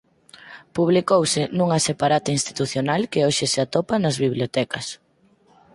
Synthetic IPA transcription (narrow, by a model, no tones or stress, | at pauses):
puβ̞likowsɪnuŋɐsepaɾat̪ɪinst̪i̥t̪uθjonalkeoʃɪsɪat̪opɐnɐzβiβljot̪ɛkɐs